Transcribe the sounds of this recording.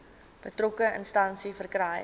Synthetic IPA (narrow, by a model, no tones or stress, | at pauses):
b̥ətrokəənstɐnsifərkrɛj